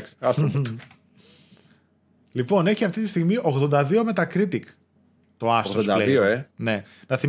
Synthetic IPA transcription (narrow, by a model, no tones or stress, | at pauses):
sɐs | lipo̞ne̞çiɐft̪it̪ist̪iɣmiʔo̞ɣðo̞nd̪ɐðio̞me̞t̪ɐkɾit̪ik | t̪o̞ɐstɣoðosd̪leioene̞nɐθi